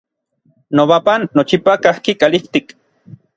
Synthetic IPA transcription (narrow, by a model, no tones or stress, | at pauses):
noβapanːot͡ʃipakahkikaliht̪ik